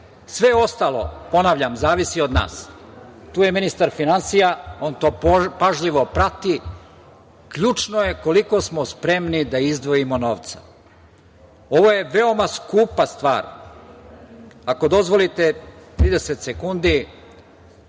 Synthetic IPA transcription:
sʋe̞o̞st̪alo̞̰po̞naːʋʎamzaːʋisio̞d̪na̰ːst̪uːje̞minist̪aɾfinansijao̞nt̪o̞ːpaʒʎiʋo̞pɾat̪i | kʎuːt͡ʃno̞je̞ko̞liko̞smospɾe̞mnid̪aizd̪ʋo̞jimo̞no̞ːʋt̪sḁ | o̞ʋo̞je̞ʋe̞o̞maskuːpast̪ʋa̰ːɾ | ako̞d̪o̞zʋo̞lit̪e̞t̪ɾiːd̪e̞set̪sekund̪i

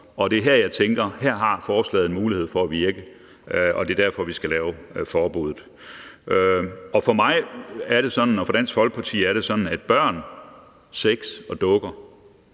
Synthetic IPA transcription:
ɒ̽d̥e̝ɦæɐ̰jɑ̈ɪt͡sʰeŋɡ̥ɐhæɐ̰ɦɑ̈fɒːslɛ̰ːðˠenmuːlihe̝ð̞̰ˠfɒ̽æʋiɐɡ̥ə | ʔɒ̽d̥e̝ɐd̥æɐfɒ̽ʋisɡ̥ælɛːʊfɒːb̥uðˠð̩ˠ | ɒ̽fɒ̽mɑ̈ɪæɐɾ̥e̝sɒ̽d̥n̩ɒfɒ̽d̥æn̰sfɒ̽lɡ̥̚pʰɑ̈t͡sʰḭːæɐɾ̥e̝sɒ̽d̥n̩æd̥̚b̥ɶɐ̰n | seɡ̥sɒ̽d̥ɔ̽ɡ̥ɐ

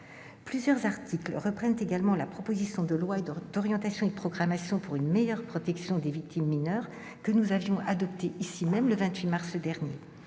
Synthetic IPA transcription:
plyzjœʁzaʁt̪ʰikləʁəpχɛnt̪eɡalmɑ̃lapχɔpozisjɔ̃d̪əlwaed̪ɔʁjɑ̃t̪asjɔ̃ed̪əpχɔɡʁamasjɔ̃puʁynmejœʁpχɔt̪ɛksjɔ̃d̪evik̚t̪ʰimːinœʁ | kənuzavjɔ̃ʔad̪ɔp̚t̪eʔisimɛmləvɛ̃t̪ɥimaʁsd̪ɛʁnje

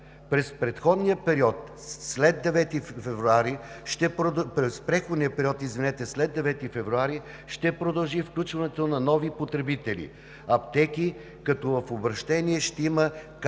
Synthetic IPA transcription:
pɾɛspɾɛt̪xɔd̪nijəpɛɾiɔt̪̚ | slɛd̪d̪ːɛvɛt̪ifɛvɾuaɾiʃt̪ɛppɾɛspɾɛxod̪nijəpɛɾiɔt̪izvinɛt̪ɛslɛd̪ɛvɛt̪ifɛvɾuaɾi | ʃt̪ɛpɾod̪ɐlˠʒifklʲut͡ʃvɐnɛt̪onɐnɔvipot̪ɾɛbit̪ɛlḭ | ɐpt̪ɛki | kɐt̪ɔvɐfobɾɐʃt̪ɛniɛʃt̪ɛimək

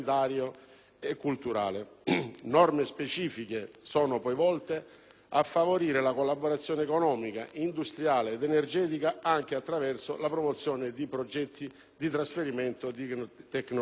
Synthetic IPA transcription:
t̪aːɾjo | ekːult̪uɾa̰ːlenɔrmespet͡ʃiːfik̟esɔːnopɔjvɔlt̪e | afːavoɾiːɾelakolːaboɾat̪sːjɔːneːkonɔːmika̰ʔind̪ust̪ɾjaːleːd̪enerd͡ʒɛːt̪ikaaŋk̟eat̪ːɾavɛrsolapɾomot̪sːjɔːnɪd̪ipɾod͡ʒɛt̪ːi | d̪it̪ɾasfeɾimɛnt̪od̪t̪ɛkːno

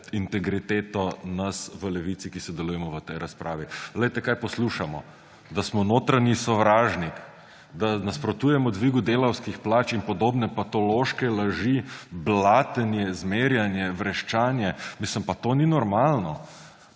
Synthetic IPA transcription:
int̪ɛɡɾit̪eːt̪ɔnɐsʋəlɛʋit̪sikisɔd̪ɛlujɛmɔʋət̪ɛjɾaspɾʔa̰ːʋilɛjt̪ɛkaːjpɔsluʃamɔ̰ | d̪asmɔnoːt̪ɾanisɔʋɾaːʒnik | d̪anaspɾɔt̪uːjɛmɔd̪ʋiɡud̪eːlɐwskixplaːt͡ʃinpɔd̪oːbnɛpat̪ɔloʃkɛlaʒiblaːt̪ənjɛzmeɾjanjɛʋɾɛʃt͡ʃaːnjɛmisləmpat̪oːninɔɾmalnɔ

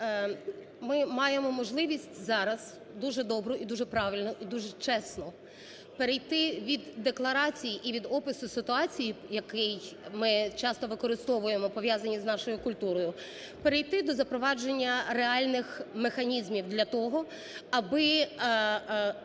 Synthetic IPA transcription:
mɪmɑjemɔmɔʒlˠɪʋʲisʲtʲzɑɾɐz | d̪uʒɛd̪ɔbɾʊʔid̪uʒɛpɾɑʋʲilʲnɔʔid̪uʒɛt͡ʃɛsnɔ | peɾejt̪ɪʋʲid̪ːeklˠɐɾɑt͡sʲijiʔiʋʲid̪ɔpɪsʊsɪt̪ʊɑt͡sʲijijɐkɪjmɪt͡ʃɑst̪ɔʋɪkɔɾɪst̪ɔʋʊjemɔpɔʋjazɐnʲiznɑʃɔjʊkʊlʲt̪uɾɔjʊ | peɾejt̪ɪd̪ɔzɐpɾɔʋɑd͡ʒenʲːɐreɑlʲnɪxmexɐnʲizmʲiwd̪lʲɐt̪ɔɦɔ | ɐbɪ

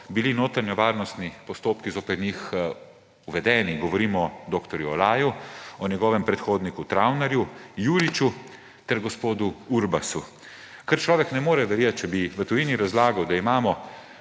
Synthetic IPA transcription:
bilinoːt̪ɾanjɔʋaːɾnɔst̪nipɔst̪oːpkizoːpɛɾnix | uʋɛd̪ɛːniɡɔʋɔɾiːmɔd̪oːkt̪ɔɾjuɔlaːjuɔnɛɡɔːʋɛmpɾɛt̪xoːd̪nikut̪ɾawnɛɾjujuːlit͡ʃu | t̪ɛɾɡɔspoːd̪uuɾbasu | kəɾt͡ʃlɔːʋɛknɛmoːɾɛʋɛɾjat̪̚t͡ʃɛbiʋət̪ujiːniɾazlaːɡawd̪aimaːmɔ

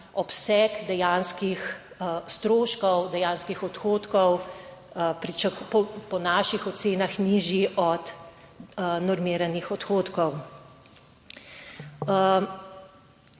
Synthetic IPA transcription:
ɔpsɛkd̪ɛjaːnskix | st̪ɾoːʃkɔwd̪ɛjaːnskixɔt̪xoːt̪kɔw | pɾit͡ʃakɔpɔnaːʃixɔt̪seːnaxniʒjiʔɔt̪ | nɔɾmiːɾanixɔt̪xoːt̪kɔw

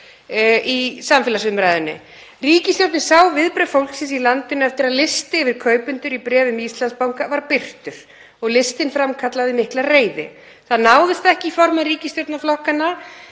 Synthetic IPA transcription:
isamfɛlasʏmɾaːjðʏnːʏ̰ | riːcɪst̪jowt̪nɪsaːwvɪðpɾɛ̥fowlksɪnsilant̪ɪnɛft̪ɪɾaðlɪst̪ɪvɪɾ̥kʰœːɥpʏnt̪ʏɾipɾɛːvʏmist̪lanspawŋkavaɾpɪr̥t̪ʏɾ̥ | ɔɣlɪst̪ɪnfɾamkʰat̪laðɪmɪhklareːjðɪ̰ | θaðnaːwðʏst̪aɛhcɪifɔɾmaðriːcɪst̪jowt̪naflɔhkanːa

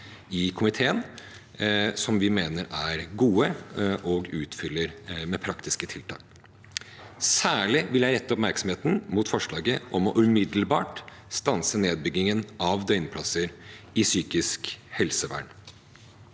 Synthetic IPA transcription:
ɪkʰʊmɪt̪ʰeːən | sɔmʋɪmeːnəɾæɾɡuːəʔɔɡʉːt̪fʏlːəɾmɛpʰɾɑkt̪ɪskət̪ʰɪlt̪ʰɑ̰ːk | sæːɭɪʋɪljæɪɾɛt̪ːəɔpmæɾksɔm̩heːt̪n̩muːt̪fɔʂɭɑːɡəʔɔmɔʔʉmɪd̪l̩bɑːʈst̪ɑnsəneːd̪̚bʏɡːɪŋənʔɑʋd̪œʏnpʰlɑsəɾɪsyːkɪskhɛlsəʋæ̰ːɳ

